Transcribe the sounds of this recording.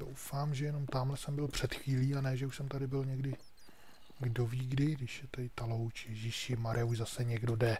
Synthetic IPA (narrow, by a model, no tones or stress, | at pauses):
do̰wfaːmʒɛjɛno̞mt̪aːmlɛsɛmbɪlpr̝̥ɛt̪xviːliːanɛʒɛuʃsɛmt̪adɪbɪlɲɛɡdɪ | ɡdo̞viːɡdɪdɪʃjɛt̪adɪt̪alo̞wt͡ʃjɛʒiːʃɪmaɾʔɪjauʒzasɛɲɛɡdo̞dɛ